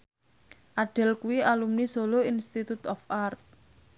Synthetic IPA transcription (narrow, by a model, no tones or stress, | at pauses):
ʔaɖ̥ɛ̤lkuwialumnisoloinst̪it̪ut̪ɔfʔart̪̚